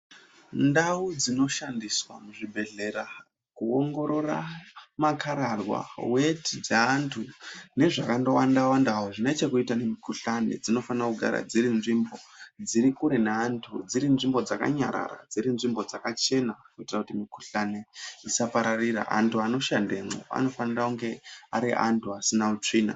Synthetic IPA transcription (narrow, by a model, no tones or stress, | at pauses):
ndaud͡zino̞ʃandiswamuʐibʱe̞ɮe̞ɾa | kuoŋɡo̞ɾo̞ra̰makaɾarwa̰wetʰid͡zaːntʰune̞ʐakando̞wandawandaɦoʐinet͡ʃekuitanemikuɬane̞̰d͡zino̞fanakuɡʱa̰ɾa̰d͡ziɾinʐimbo̞d͡ziɾikuɾe̞neantʰud͡ziɾinʐimbo̞d͡zaka̰ɲa̰ɾa̰ɾa̰d͡ziɾinʐimbo̞d͡zakat͡ʃe̞nakuitrakutimiku̥ɬane̞isapaɾarira̰ʔa̰ntʰuano̞ʃandemo̰a̰no̞fanirauŋɡe̞aɾiʔantʰuasinaut͡ʂiːna̰